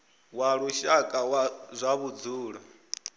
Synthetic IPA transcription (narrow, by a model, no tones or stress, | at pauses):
waɺuʃakʼawazʷaβud͡zuːɺɔ